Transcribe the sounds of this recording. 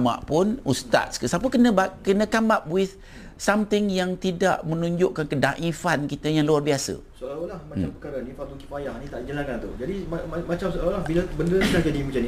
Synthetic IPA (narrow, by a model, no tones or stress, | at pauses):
ma̰ʔpʊnust̪a̰t̪̚skəsapəkənəbakənə̃kamap̚wɪθ | samt̪ɪŋjaŋt̪ida̰ʔmənũɲd͡ʒʊʔkankədaŋʔifankit̪əjaŋluarbiasə̰soalolahmat͡ʃampəkaɾanĩfat̪d̪ukipajahnĩt̪aʔd͡ʒəlankant̪ud͡ʒadiaamat͡ʃamsoalwlahbilabəndəsəlahd͡ʒadimat͡ʃani